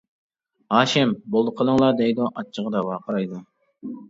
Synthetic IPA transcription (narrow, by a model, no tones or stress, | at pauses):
hɑːʃɪmbolˠd̪əqʰəlˠəŋlˠɑd̪ɛjd̪uʔɑt͡ʃʰːəʁəd̪ɑwɑqʰɑɾɑjd̪u